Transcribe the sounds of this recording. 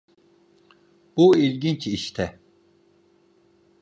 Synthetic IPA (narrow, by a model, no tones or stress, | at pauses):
b̥uilʲɟint͡ʃiʃt̪ʰɛ